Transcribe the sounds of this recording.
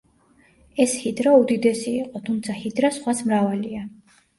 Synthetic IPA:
ɛshid̪ɾaud̪id̪ɛsiːqʼɔt̪ʰumt̪sʰahid̪ɾasχwasmɾavalia

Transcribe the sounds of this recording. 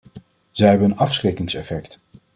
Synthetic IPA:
z̥ɛjɦɛbəənɑfsχrekɪŋsɛfɛkt

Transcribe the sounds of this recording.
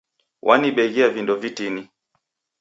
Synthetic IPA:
wʔaniɓɛɣiavindɔvitini

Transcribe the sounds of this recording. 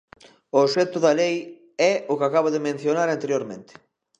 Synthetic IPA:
oʃɛt̪ʊðɐlej | ɛʊkɪakaβoðɪmẽn̟θjonaɾant̪eɾjoɾmḛ̃nt̪ɪ̥

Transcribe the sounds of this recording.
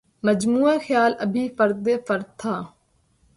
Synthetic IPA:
məd͡ʒmuːãːxjaːləbʱiːfəɾd̪eːfəɾd̪̚t̪ʰaː

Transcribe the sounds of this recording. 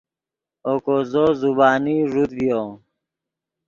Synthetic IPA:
okozozubaːniʐud̪vijo

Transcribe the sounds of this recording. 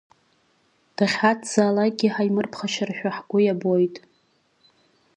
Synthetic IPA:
d̥aχʲatʰz̥aːlaɡʲiħajmɨrpʰχaʃaraʃᶣaħɡʷʊjabojtʼ

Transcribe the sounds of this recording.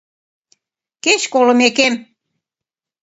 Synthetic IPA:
keɕkolɤ̆mekem

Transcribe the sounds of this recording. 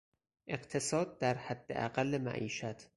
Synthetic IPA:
ʔe̞ɢt̪ʰe̞sɒːd̪̚d̪æɾhæd̪ːḛʔæ̰ɢælːemæ̰ʔiːʃæt̪ʰ

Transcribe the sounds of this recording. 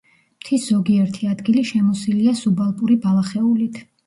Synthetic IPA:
m̥t̪ʰiszɔɡiɛɾt̪ʰiad̪ɡiliʃɛmɔsiliasubalˠpʼuɾibalˠaχɛulit̪ʰ

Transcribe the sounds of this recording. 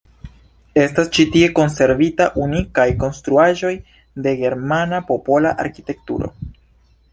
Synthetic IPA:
e̞stast͡ʃitie̞ko̞nse̞ɾvitaʔunikajko̞nstɾuaʒo̞j | de̞ɡe̞ɾmanapo̞po̞laʔa̰ɾkite̞k̚tṵɾo̞̰

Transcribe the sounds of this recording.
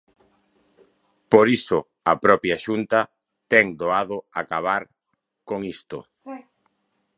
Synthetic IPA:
poɾisʊ | ɐpɾɔpɾjaʃunt̪ɐ | t̪ɛŋd̪oaðʊakaβaɾ | koŋist̪ʊ

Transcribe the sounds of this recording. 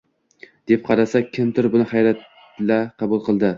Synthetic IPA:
d̪̥e̞p̚qʰɑɾasakʲʰːɪmt̪ʰɪɾbʊnɪχajɾat̪ | laqʰɑbʊlˠqʰɨlˠd̪ɪ

